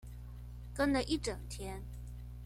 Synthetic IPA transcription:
kə˥nlə˨ʔi˥˩ʈ͡ʂɤ˨˩ŋt̪ʰjɛ˥n

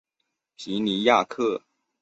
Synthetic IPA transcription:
pʰi˧˥ni˧˥ja˥˧kʰɤ˥˩

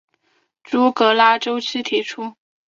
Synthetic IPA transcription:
ʈ͡ʂu˧˥kɤ˧˥la˥ʈ͡ʂo˥ʊt͡ɕ̩ʰ˥t̪ʰi˧˥ʈ͡ʂʰu˥

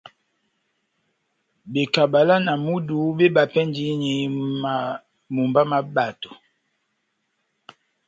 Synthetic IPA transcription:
be˨ka˨ba˨la˦na˨mu˦du˨˦be˦ba˨pɛ˦ndi˨˦ɲi˨˦ma˨ | mu˨mba˦ma˨ba˨to˨

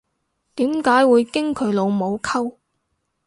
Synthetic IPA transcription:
t̪iː˨˥mkaː˨˥jwuː˨˧jkɪ˥ŋkʰɵ˨˧˥ɥlo˨˧wmo˨˧wkʰɐ˥w

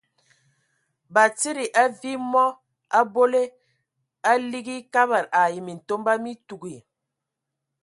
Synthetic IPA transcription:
ba˨t͡si˦ɾi˨ʔa˦vi˦mɔ˦ | a˦bo˦le˦ | a˦li˦ɡi˦ka˦ba˨ɾa˨ji˨mi˨n̩˨to˦mba˦mi˦tu˨ɡi˨

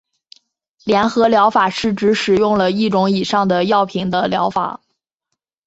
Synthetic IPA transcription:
ljɛ˧˥nxɤ˧˥ljɑ˧˥ʊfa˨˩ʂɻ̩˥˩ʈ͡ʂɻ̩˧˥ʂɻ̩˨˩jʊ˥˩ŋlə˩i˥˩ʈ͡ʂʊ˧˥ŋi˨˩ʂɑ˥˩ŋd̪ə˩jɑ˥˩ʊpʰi˧˥ŋd̪ə˧ljɑ˧˥ʊfa̰˨˩˦

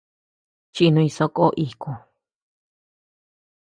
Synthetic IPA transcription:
t͡ʃi˧nũ˧ĩ˧so˧˦koː˦ʔi˧˨kũ˧˨

